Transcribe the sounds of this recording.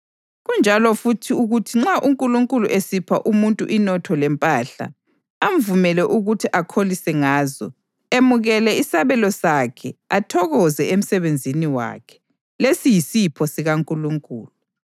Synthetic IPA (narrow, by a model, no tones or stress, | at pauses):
ɣund͡ʒʱalɔfutʰiuɣutʰiŋ͡ǁaʔuŋkʼuluŋkʼuluʔesipʰaʔumuntʼuʔinɔtʰɔlɛmpʼaɬa̰ | am̩vumɛlɛʔuɣutʰiʔakʰolisɛŋaːzɔ̰ | emuɣɛlɛisaβɛlɔsakʰɛatʰɔɣɔzɛem̩sɛβend͡zʱiniwa̰kʰɛ̥ | lesijisipʰɔsiɣaŋkʼuluŋkʼṵːlu